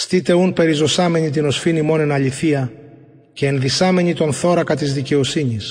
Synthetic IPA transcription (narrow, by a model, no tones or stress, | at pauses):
st̪it̪e̞unpe̞ɾizo̞sɐme̞ɲit̪̬ino̞sfinimo̞nenɐʎiθiɐ | ce̞ːnðisɐme̞ɲit̪o̞nθo̞ɾɐkɐt̪izðice̞o̞siɲis